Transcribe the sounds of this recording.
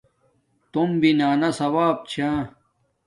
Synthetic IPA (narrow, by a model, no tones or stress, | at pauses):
t̪umbinaːnɐsɐwaːb̚t͡ɕʰa